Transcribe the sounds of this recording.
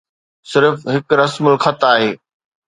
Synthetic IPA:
sɪɾfɦɪkɾɐsməlxɐt̪aːɦeː

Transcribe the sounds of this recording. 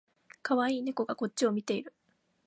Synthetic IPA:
kaβaiːne̞ko̞ɡako̞tt͡ɕːio̞mʲit̪e̞iɾɯ̟

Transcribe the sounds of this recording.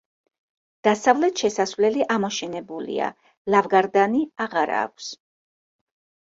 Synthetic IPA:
d̪̥asavlɛt̪ʃɛsasvlɛliʔamɔʃɛnɛbulḭa̰ | lavɡaɾd̪aniaʁaɾa̰ːkʷʰs

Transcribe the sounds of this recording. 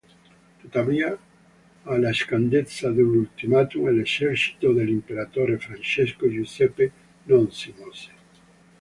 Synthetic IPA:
t̪ot̪aβia | alaeskand̪et͡saðunult̪imat̪umeleseɾsi̥t̪oðelimpeɾat̪oɾefɾant͡ʃeskoʒusepe | nõnsimose̥

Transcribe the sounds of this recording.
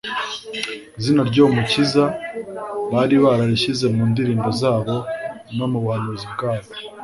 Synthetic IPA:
zinaɾɟo̞ːmuciza | βaːɾiβaɾaɾiʃize̞muːndiɾiːnbo̞zaːβo̞no̞muβwaːnuzibɡaːβo̥

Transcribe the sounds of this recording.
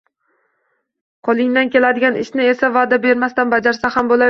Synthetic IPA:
qʰɒlˠɪŋd̪ankʲe̞lad̪ɪɡʲanɪʃnɪe̞savad̪abe̞ɾmast̪anbad͡ʒaɾsahambola

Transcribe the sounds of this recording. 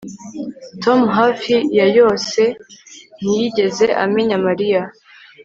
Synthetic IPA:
to̞muɦafijajo̞ːse̞n̥ijiɟe̞ze̞ʔa̰meɲamaɾija

